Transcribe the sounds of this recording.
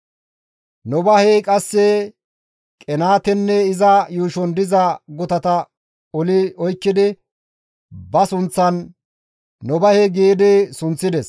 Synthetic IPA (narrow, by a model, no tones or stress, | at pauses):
nɔbɐhekʼɐsːɛ | kʼɛnaːt̪ɛnːɛɪzɐjuːʃɔnd̪ɪzɐɡʊt̪ɐt̪ɐ | ɔlɪɔjkːɪd̪ɪ | bɐsʊnt͡sːɐnː | ɔbɐheɡeːd̪ɪsʊnt͡sːɪd̪ɛs